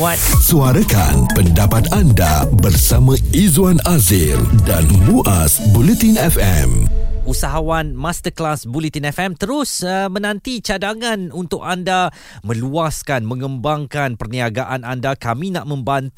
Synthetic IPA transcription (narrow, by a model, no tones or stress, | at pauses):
at̪̚suaɾaka̰npəndapat̪anda̰bərsamãizwanazɪldanluʔasbulɛt̪inɛfɛ̰musaɦawanmast̪əklasbulit̪inɛfɛmt̪əɾʊsəmə̃nãnt̪it͡ʃadaŋanunt̪ʊkanda | mə̃luaskanmə̃ŋə̃mbaŋkanpərniaɡaʔanandakamĩnaʔmə̃mbant̪